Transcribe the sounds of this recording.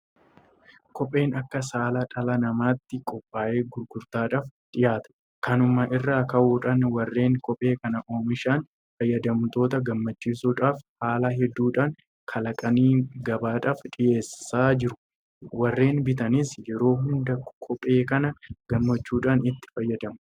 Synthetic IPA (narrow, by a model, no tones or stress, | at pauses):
kɔpʼːe̞ːnɐkːɐsaːlɐᶑʼɐlɐnɐmaːt̪ːɪkʼɔpʼːaːʔe̞ːɡʊɾɡʊɾt̪aːᶑaːfᶑɪjaːt̪ɐ̥ | kɐnʊmɐʔɪrːaːkɐʔuːᶑaːnwɐrːe̞ːŋkɔpʼe̞ːkɐnɐʔoːmɪʃaːn | fɐjːɐd̪ɐmt̪o̞ːt̪ɐɡɐmːɐt͡ʃːiːsuːᶑaːfhaːlɐɦɛd̪ːuːᶑaːŋ | kʰɐlɐkʼɐniːɡɐbaːᶑaːfᶑɪjeːsɪːaːd͡ʒɪɾʊ̥ | wɐrːe̞ːnbɪt̪ɐniːsjɛɾo̞ːɦʊnd̪ɐkʰɔpʼːe̞ːkɐnɐɡ̥ɐmːɐt͡ʃːuːᶑaːnɪt̪ːɪ̥fɐjːɐd̪ɐmɐ